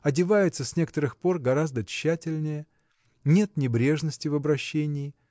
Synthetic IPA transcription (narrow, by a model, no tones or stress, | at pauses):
ɐdʲɪvajʊt̪səsʲnʲe̞kə̥t̪əɾɨxpo̞rɡɐɾazd̪ət͡ɕːætʲɪlʲnʲɪjə | nʲe̞t̪nʲɪbɾʲe̞ʐnəsʲtʲɪvəbɾɐɕːenʲɪː